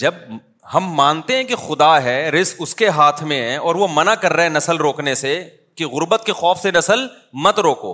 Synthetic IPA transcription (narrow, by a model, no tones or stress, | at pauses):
d͡ʒɐb̚ | hɐmːãːnt̪eɦɛ̃kixʊd̪aɦɛɾɪsʊskeɦaːt̪ʰmẽɦɛ̃ɔːɾʋomɐnakɐɾːɐɦɛ̃nɐsəlɾoːknese | kiɣʊɾbət̪̚kexɔːfsenɐsəl | mɐt̪ɾoːko̰ː